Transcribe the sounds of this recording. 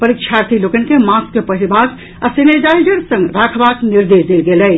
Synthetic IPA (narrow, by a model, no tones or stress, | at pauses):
pəɾikt͡ʃʰaɾt̪ʰilokənkemaskːepəɦibak | asened͡ʒaid͡ʒəɾsə̃ŋɡɾakʰbakniɾd̪esd̪elɡelɛj